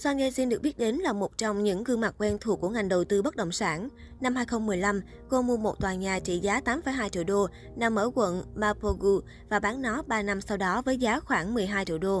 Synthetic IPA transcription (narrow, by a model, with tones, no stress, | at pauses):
swaː˧ne˧si˧nɗək̚ɓt̚ɗe˨˦nlaː˨˩mo˨˩t̚t͡ɕɔ˧wŋ͡mɲɨ̰˧˥ŋkɨ˧ŋma˨˩t̚kwɛ˧nt̪ʰu˨˩əkːu˧˩əŋa˨˩jŋ̟ɗə˨˩wt̪ɨ˧ɓə˦˥t̚ɗə̰˧˨wŋ͡msaː˧˩n | na˧mhaː˧jxə˧wŋ͡mmɨ˨˩əjla˧m | ko˧mu˧əmo˨˩t̚t̪waː˨˩ɲaː˨˩t͡ɕḭ˧˨zaː˨˦t̪aː˨˦mfə˧˩jɦaː˧jt͡ɕḭ˧˨əwɗo˧ | na˧˩mːəː˧˩kwə̰˧˨nmaː˧po˧ɣu˧ | vaː˨˩ɓaː˨˦ŋnɔ˨˦ɓaː˧na˧msa˧wɗɔ˨˦vəː˨˦jzaː˨˦xwaː˧˩ŋmɨ˨˩əjɦaː˧jt͡ɕḭ˧˨əwɗo˧